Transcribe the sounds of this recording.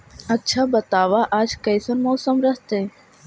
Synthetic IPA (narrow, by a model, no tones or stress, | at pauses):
ɐtːʃʰabət̪aːʋaʔaːd͡ʒkəjsənmɔːsəmɾəst̪e